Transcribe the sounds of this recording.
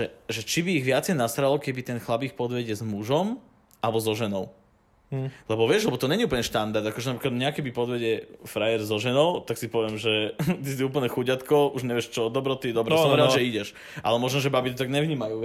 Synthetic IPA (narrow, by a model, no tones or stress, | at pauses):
ɛʒɛt͡ʃibiːɣʋɪat͡sɛjnast̪ɾalɔkɛbit̪ɛnxlabiːxpɔd̪ʋɛɟɛzmuʒɔm | ʔalɛbɔzɔʒɛnɔʊ | lɛbɔʋɪɛʒlɛbɔt̪ɔɲɛɲiuːplɲɛʃt̪and̪aɾd̪akɔʒɛnapɾiklad̪ɲɛakɛbipɔd̪ʋɛɟɛfɾajɛɾzɔʒɛnɔʊt̪aksipɔʋɪɛmʒɛt̪isiuːpl̩ɲɛxuɟat̪kɔuʒɲɛʋɪɛʃt͡ʃɔd̪ɔbɾɔt̪id̪ɔbɾɛsɔmɛɾɛaʒɛiɟɛʃ | ʔa̰lɛmɔʒnɔʒɛbabit̪ɔt̪aɡɲɛʋɲiːmajuː